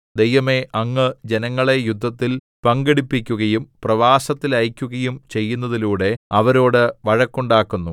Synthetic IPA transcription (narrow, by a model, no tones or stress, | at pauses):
d̪e̞jʋɐme̞ʔɐŋːɨd͡ʑe̞nɐŋːɐɭe̞jud̪ʱːɐt̪ːil | pɐŋɡeɽipːikʲːuɣɐjumprɐʋaːsɐt̪ːilɐjkʲːuɣɐjumt͡ɕe̞jːunːɐðiluːɽe̞ɐʋɐɾo̞ːɽɨʋɐɻɐkːuɳɖaːkːunːu